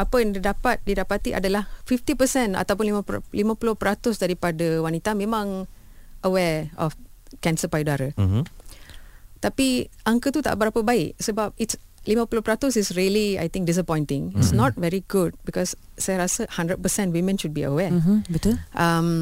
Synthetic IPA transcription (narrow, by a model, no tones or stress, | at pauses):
apəjɛ̃ŋdədapat̪̚didapat̪iʔa̰dəlahfift̪ipəsɛ̃na̰t̪awp̬ʊnlimə̃limə̃pulʊhpɾat̪ʊsdaɾipadəwanit̪amẽmãŋ | əwɛɔfkɛ̃nsəpajudaɾə | t̪apiãŋkət̪ut̪a̰ʔbəɾapəbaɪʔsəbap̚itslimə̃pulopɾat̪ʊsisɹiəlia̰jt̪ɪ̃ŋk̚dis̬əpɔ̃j̃nt̪ɪ̃ŋitsnɔt̚vɛɹiɡud̚bikɔsː | ajaɾasəhãndɾət̚pəsɛ̃ntwimə̃nʃud̚biə̰wɛbituʔam